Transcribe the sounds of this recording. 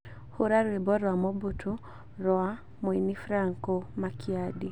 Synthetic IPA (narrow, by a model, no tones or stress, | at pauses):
hoɾaɾwebɔɾɔamobutʰu | ɾɔa | moinifɾaŋkomakiadi